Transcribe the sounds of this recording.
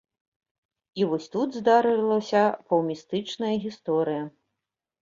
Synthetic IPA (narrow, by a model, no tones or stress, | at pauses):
ivɔsʲt̪ud̪zd̪aɾɨlˠɐsʲɐpɐwmʲist̪ɨt͡ʂnɐjɐɣʲist̪ɔɾɨjɐ